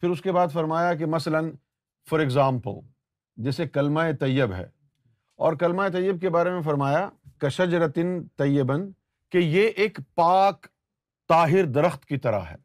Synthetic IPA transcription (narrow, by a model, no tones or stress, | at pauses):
pʰɪɾʊskebaːd̪fɐɾmaːjakemɐslən | fɔːɾɪɡzaːmpə̰l | d͡ʒɛːsekɐlmaet̪ɐjːɪbɦɛ̰ː | ɔːɾkɐlmaet̪ɐjːəb̚kebaːɾemẽfɐɾmaːjakɐʃɐd͡ʒɾɐt̪ɪnt̪ɐjːɪbən | kejeʔeːkpaːk | t̪aːɦɪɾd̪ɐɾəxt̪kit̪ɐɾa̰ɦɛ̰ː